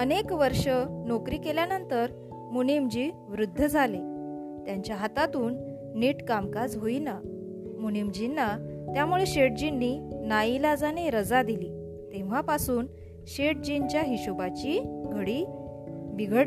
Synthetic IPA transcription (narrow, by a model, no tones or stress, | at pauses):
ənekʋəɾʂənokɾiːkeljanənt̪əɾ | munemd͡ʑiː | ʋɾud̪ʱːəd͡zʱale | t̪jaɲt͡ɕjaɦat̪at̪uːnː | iːʈkamkasɦoina | munemd͡ʑinːat̪jamuɭeɕeʈ̚d͡ʑinːiːnailad͡zaneɾəd͡zad̪iliː | t̪ẽʋ̤apasuːn | ɕeʈ̚d͡ʑiɲt͡ɕjaɦiɕubat͡ɕiːɡʱəɽiː | biɡʱəɽ